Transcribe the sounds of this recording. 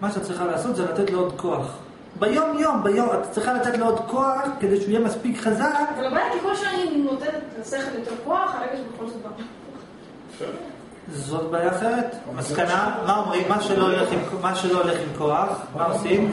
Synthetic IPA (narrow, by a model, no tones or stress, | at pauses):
maʃeatt͡sːʁiχalaːso̞t̪zelat̪etleod̪ko̞aχ | bajo̞mjo̞mbajo̞mat̪ḁt͡sʁiχalat̪et̪leod̪ko̞aχked̪eʃujemaspikχazakvalabajakikolʃanimimlot̪enetlaseχeljoteʁkoaχaʁeɡaʃebekolsababa | zo̞t̪bajaχet̪maskanamaomʁimːaʃeloleχimmaʃelo̞ele̞χimko̞aχmaosim